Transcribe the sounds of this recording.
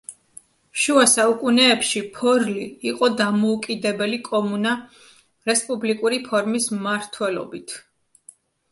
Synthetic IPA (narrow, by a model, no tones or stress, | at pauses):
ʃuasaukʼunɛːpʃipʰɔɾliːqʼɔd̪amɔukʼid̪ɛbɛlikʼɔmuna | ɾɛspʼublikʼuɾipʰɔɾmismaɾt̪ʰwɛlɔ̰bit̪ʰ